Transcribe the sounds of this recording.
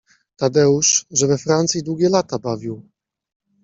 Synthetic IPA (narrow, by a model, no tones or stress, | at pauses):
t̪ad̪ɛuʂʐɛvɛfɾant̪sʲjid̪wuɡʲɛlat̪abavʲiw